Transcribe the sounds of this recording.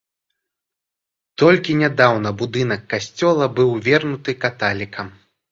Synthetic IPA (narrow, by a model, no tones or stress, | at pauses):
t̪ɔlʲkʲinʲad̪awn̪ɐbud̪ɨn̪ɐkːasʲt͡sʲɔlˠɐbɨwvʲɛrnut̪ɨkat̪alʲikʰɐm